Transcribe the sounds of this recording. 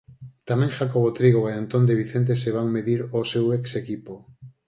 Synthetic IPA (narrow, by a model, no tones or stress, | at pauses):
t̪amɛ̃ŋʃakoβ̞ot̪ɾiɣoeant̪ond̪eβiθent̪̬eseβaŋmeðiɾoseweksekipo